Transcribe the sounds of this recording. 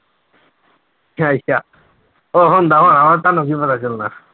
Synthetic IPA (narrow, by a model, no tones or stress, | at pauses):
ajsa | oɦɔnd̪aɦɔnamaɾt̪anok̬ipat̪ʰat͡ɕilna